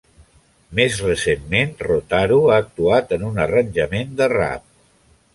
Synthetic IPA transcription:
mezrəsemːenrot̪aɾuaək̚t̪uat̪ənunərənʲʒəmend̪əra̰p̚

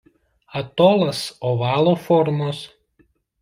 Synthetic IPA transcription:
ɐt̪oːlˠɐsoːʋɑːlˠoːfɔɾmos

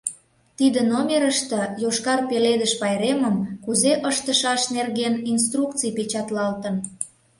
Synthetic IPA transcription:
t̪id̪ənomʲeɾəʃt̪ə̆joʃkɑrpeled̪əʃpɑjɾeməmkuzeʔəʃt̪əʃɑʃnerɣenins̬t̪rukt͡sijpet͡ɕɑt̪lɑlt̪ən

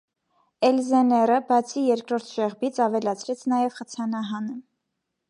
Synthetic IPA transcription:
ɛlzɛnɛrəbɑt͡sʰijɛɾkɾɔɾt̪ʰʒ̥ɛʁbit͡sʰɑvɛlɑt͡sʰɾɛt͡sʰnɑjɛvχət͡sʰɑnɑɦɑnə

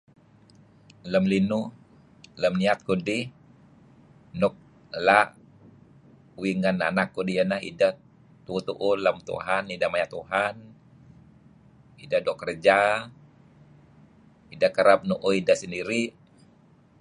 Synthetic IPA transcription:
ləmlinu | ləmniat̪̚kudi | nʊk̚ | laʔ | wiŋanːa̰nakːudijənaɦḭda | t̪uut̪uʔuləmt̪ṵɦanidamajat̪uɦan | idadokərd͡ʒa | idakəɾap̚nuʔoidasəndiɾi

